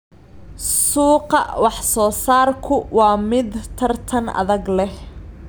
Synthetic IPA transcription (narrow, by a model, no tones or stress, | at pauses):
suːqɑwɑħsɔːsaːrkʰʊwɑːmɪd̪t̪ʰɐrt̪ʰɐnʔɐ̰ðɐɡlɛh